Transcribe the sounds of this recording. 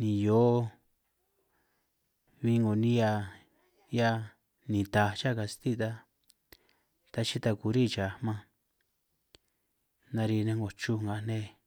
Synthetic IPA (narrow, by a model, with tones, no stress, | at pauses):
nĩ˨jo˦ | βi˧ŋɡo˨nĩ˦ja˧ | ja˧ | nĩ˨t̪a˧t͡ʃa˦˨ka˧si˧t̪i˦˧t̪a˧ | t̪a˧t͡ʃi˦t̪a˧ku˨˧ɾi˦˨t͡ʃa˨˧mã˧ | nã˧ɾi˧nẽ˧ŋɡo˨t͡ʃu˦ŋɡa˨˧nẽ˦